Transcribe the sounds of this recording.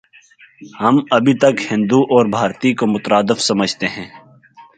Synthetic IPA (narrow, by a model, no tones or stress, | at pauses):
hɐmɐbʱit̪ɐkhɪ̃nd̪uʔɔːɾbʱaːɾt̪ikomʊt̪əɾaːd̪ɪfsɐməd͡ʒʱt̪eɦɛ̃ː